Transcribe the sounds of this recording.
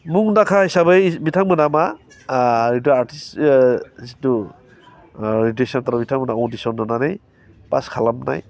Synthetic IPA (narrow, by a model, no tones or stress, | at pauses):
muŋnakʰahisabɯbitʰaŋmɯnama | idaaɾtis | situ | ɾidesɔntaɾabitʰaŋmənaɔdisɔndɔnanej | pa̰skʰalamna̰j